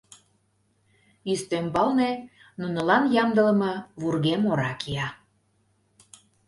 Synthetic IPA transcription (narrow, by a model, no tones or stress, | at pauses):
yst̪ømbɑlne | nunə̆lɑnjɑmd̪ələməβurɣemoɾɑkʰiɑ